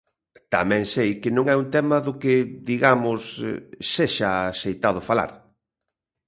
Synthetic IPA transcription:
t̪amɛ̃ŋsejkɪnõŋɛunt̪ɛmɐðʊkɪðiɣamʊsseʃɐasejt̪að̞ʊfala̰ɾ

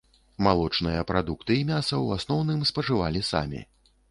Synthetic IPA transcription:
malˠɔt͡ʂnɨjɐpɾad̪ukt̪ɨimʲasɐwasnɔwnɨmspɐʐɨva̰lʲisa̰mʲḭ

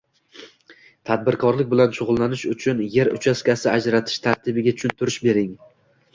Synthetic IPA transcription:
t̪ʰad̪̚bɪɾkʰɒɾlɪk̚ʲbɪlanʃʊʁʊlˠːanɪʃʊt͡ʃʰʊnje̞ɾʊ̰t͡ʃʰaskʲasɪad͡ʒɾat̪ʰɪ̥ʃt̪ʰaɾt̪ʰɪbɪɡʲaʊ̥t͡ʃʰʊnt̪ʰʊɾɪʃbe̞ɾɪŋ

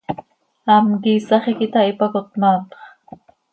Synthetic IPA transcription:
amkisɑχekit̪aipakot̪̚maːt̪χ

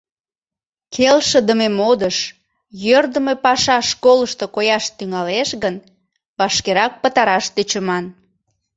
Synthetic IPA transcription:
kʰelʃəd̪əmemod̪əʃ | jørd̪əmepɑʃɑʃkoləʃt̪okojɑʃt̪yŋɑleʃɣən | βɑʃkeɾɑk̚pət̪ɑɾɑʃt̪øt͡ɕəmɑn

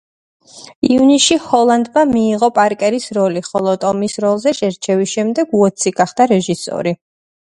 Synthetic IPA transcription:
iuniʃihɔlˠand̪mamiːʁɔpʼaɾkʼɛɾisɾɔliχɔlˠɔt̪ʼɔmisɾɔlˠzɛʃɛɾt͡ʃʰɛvisʃɛmd̪ɛɡ̥uɔt̪sʰiɡ̥aχd̪̥aɾɛʒisɔ̰ɾi

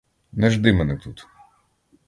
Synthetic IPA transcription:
nɛʒd̪ɪmɛnɛt̪ut̪

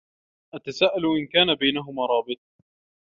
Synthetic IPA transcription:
ʔat̪asaːʔalʔɪnkaːnabajnaɦʊmaːɾˤɑːbɪt̪̚ˤ

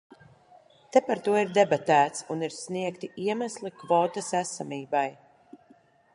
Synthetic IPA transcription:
t̪epaɾt̪uɔiɾd̪ɛbat̪æːt̪suniɾsniɛkt̪iʔiɛmæslˠikvɔːt̪asæsamiːbaj

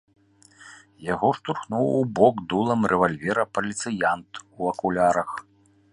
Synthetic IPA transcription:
jaɣɔʂt̪urxnuwubɔɡd̪ulˠɐmrʔɛvalʲvʲɛɾɐpɐlʲit̪sɨjant̪uɐkulʲaɾɐx

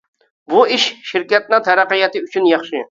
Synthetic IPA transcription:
buɪʃʃɪɾkʲɛt̪̚nɪŋt̪ʰɛɾæqɨjɛt̪ɨyt͡ʃʰynjɑχʃɪ

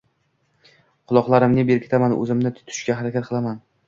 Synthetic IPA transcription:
qʰʊlˠɒqlˠaɾɪmnɪbeɾkʲʰe̥t̪ʰamanɵ̰zɪmnɪt̪ʰʊ̥t̪ʰʊ̥ʃkʲaɦaɾakʲat̪qɨlˠaman

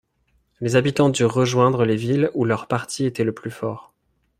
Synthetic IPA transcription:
lezabit̪ɑ̃d̪yʁːəʒwɛ̃d̪ʁəlevilulœʁpaʁt̪ʰiet̪ɛləplyfɔːʁ

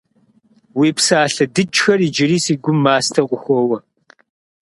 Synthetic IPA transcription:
wiːpsaːɬɐdɨt͡ʃʼxɐriːd͡ʒɪɾiːsiːɡʷʊmːaːstʰɐqʷʼʊxʷɔwɐ

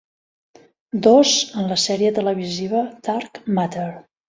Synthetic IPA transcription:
d̪ozənləsɛɾiət̪ələβ̞iziβəd̪̥aɾkmat̪əɾ

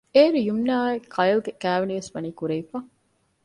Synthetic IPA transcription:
eːɾujumnaːekʰɐjlɡekæːʋeniʋesʋɐniːkuɾeifɐ

